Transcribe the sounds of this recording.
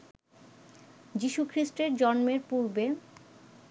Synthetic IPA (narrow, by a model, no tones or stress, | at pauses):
d͡ʑiʃukʰɾisʈeɾd͡ʑɔnmeɾpuɾbe